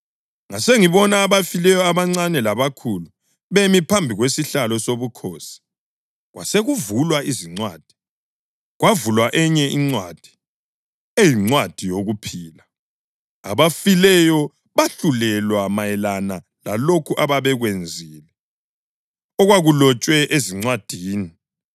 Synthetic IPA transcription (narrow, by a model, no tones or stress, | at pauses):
ŋaseŋiβɔnaːβafilɛjɔaβaŋ͡ǀanɛlaβakʰulu | βemipʰambʱiɣwesiɬalɔsoβukʰoːsi̥ | ɣwa̰seɣuvulwaiziŋ͡ǀwa̰ːd̥ʱi̥ | ɣwavulwaʔɛɲɛʔiŋ͡ǀwad̥ʱi̥ | ejiŋ͡ǀwad̥ʱijoɣupʰiːla | a̰βafilɛjɔ | βaɬulɛlwamajɛlana | lalokʰuʔaβaβɛɣwend͡zʱiːlɛ | ɔɣwaɣulɔt͡ʃʼwɛʔeziŋ͡ǀwad̥ʱiːni